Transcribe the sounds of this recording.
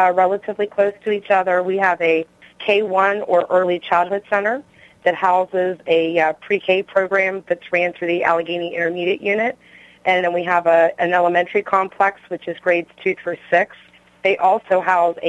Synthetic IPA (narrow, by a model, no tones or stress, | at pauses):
ɹɛlˠəɾɨvlikʰl̥oʊstʰɨit͡ʃʌðə˞wiəvɨ | kʰeɪwʌ̃nə˞ʔɜ˞lˠit͡ʃʰaɪlˠd̚hʊd̥sɛ̃ɾ̃ə˞ | ðɨt̚haʊzɪzɨpʰɹ̥ikʰeɪpʰɹ̥oʊɡɹæ̃mðɨtsɹæ̃nθʉðiʔæ̰lˠɨɡĩniʔɪ̃ɾ̃ə˞miɾiɨʔjʉnɨt̚ | ʔɨ̃nɨ̃nwiəvəɨ̃nɛlˠəmɛ̃ntə˞ikʰɑ̃mpʰl̥ɛkswɨt͡ʃɨzɡɹeɪdz̥tʰʉθɹə˞sɪks | ðeɪʔɔlˠsoʊɦaʊzɨ̰